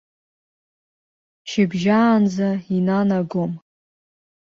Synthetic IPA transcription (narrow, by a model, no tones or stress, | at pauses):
ʃɪbʒaːnd͡zainanaɡom